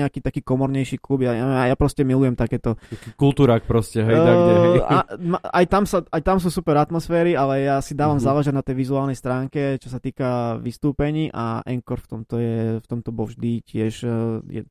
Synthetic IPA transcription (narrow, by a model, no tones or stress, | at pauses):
ɛakiːt̪akiːkɔmɔɾɲɛjʃiːklubjaɲɛʋɛmajapɾɔscɛmilujɛmt̪akɛːt̪ɔakkulˠt̪uːɾak̚pɾɔscɛɦɛjt̪aɛ | maa̰jt̪amsaajt̪ams̬uːsupɛɾat̪mɔsfɛːɾialɛjasid̪aːʋamzaːlɛʒɛɟnat̪ɛjʋizuaːlnɛjst̪ɾaːŋkɛt͡ʃɔs̬at̪iːkaʋist̪uːpɛɲiːʔʔa̰ʔɛŋkɔɾft̪ɔmt̪ɔjɛft̪ɔmt̪ɔbɔvʒd̪icɪɛʃjɛ̰